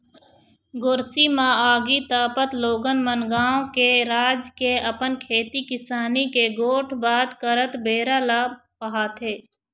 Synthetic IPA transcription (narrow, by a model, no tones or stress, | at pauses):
ɡʊɾsimãːaːɡit̪aːpət̪loːɡənmənɡaːõkeɾaːd͡ʒkeɐpənkʰeːt̪ikɪsaːnikeɡoːʈʰbaːd̪kəɾət̪beːɾalaː | pəɦaːt̪eː